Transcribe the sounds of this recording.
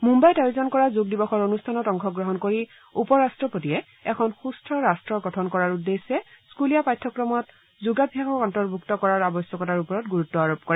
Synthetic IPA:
mumbajtajizɔnkɔɹazuɡ̚dibɔxɔɹonustʰanɔtɔŋkʰɔɡɹɔɦɔnkoɹi | upɔɹastɹɔpotiɛ | ɛkʰɔnxustʰɹɔɹastɹɔɡɔtʰɔnkɔɹaɹudːesɛskulijapajtʰːɔkɹɔmɔt | zuɡabʱjakɔkɔntɔɹbʱuktɔkɔɹaɹabɔsjɔkɔtaɹupɔɹɔtɡuɹutːɔaɹop̚kɔɹɛ

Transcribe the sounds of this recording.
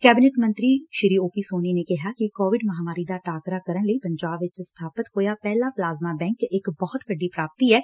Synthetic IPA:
kɛːbɪneːʈmənt̪ɾiːʃɪɾiːoːpiːsoːniːneːkɪɦaːkɪkoːʋɪɖməɦaːmaːɾiːd̪aːʈaːkɾaːkəɾəɳləiːpəɲd͡ʒaːbʋɪt͡ʃst̪ʰaːpət̪ɦoːjaːpɛːlaːplaːzmaːbɛ̃ːŋkɪkbɔːt̪bəɖːiːpɾaːp̚t̪iːɛː

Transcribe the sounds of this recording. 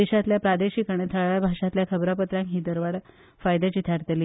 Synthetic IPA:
eɕat̪ljapɾad̪eɕikaɽ̃et̪ʰəɭʋjabʱaʂat̪ljakʰəbɾapət̪ɾãŋkɦiːd̪əɾʋaɽ | fajd̪at͡ɕit̪ʰaɾt̪əli

